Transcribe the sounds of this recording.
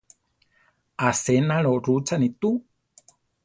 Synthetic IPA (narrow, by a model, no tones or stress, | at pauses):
asenaɺorut͡sanit̪u